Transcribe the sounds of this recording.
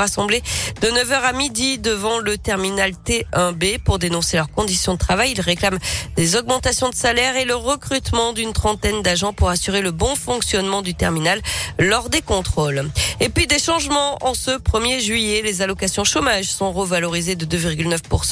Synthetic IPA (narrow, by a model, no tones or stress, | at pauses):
asɑ̃bled̪̥ənəvœʁamid̪id̪əvɑ̃lət̪ɛʁminalt̪eɛ̃bepuʁd̪enɔ̃selœʁkɔ̃d̪isjɔ̃d̪ət̪χavajilʁeklamd̪ezɔɡmɑ̃t̪asjɔ̃d̪əsalɛʁeləʁəkχyt̪mɑ̃d̪ynt̪χɑ̃t̪ɛnd̪aʒɑ̃puʁasyʁeləbɔ̃fɔ̃ksjɔnmɑ̃d̪yt̪ɛʁminalːɔʁd̪ekɔ̃t̪χolepɥid̪eʃɑ̃ʒmɑ̃ʔɑ̃səpχəmjeʒɥijelezalɔkasjɔ̃ʃomaʒsɔ̃ʁəvalɔʁized̪əd̪øviʁɡʲylnœfpuʁs